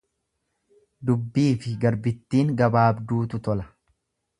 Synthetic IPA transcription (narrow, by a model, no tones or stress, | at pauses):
d̪ʊbːiːfɪɡɐɾbɪt̪ːiːŋɡɐbaːbd̪uːt̪ʊt̪ɔlɐ